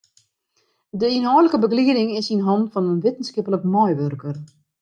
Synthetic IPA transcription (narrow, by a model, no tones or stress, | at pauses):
dəinɦɔwləkəbəɡliədɪŋɪsinɦɔntfɔnənʋɪtən̩skɪpləkmɔjʋørkər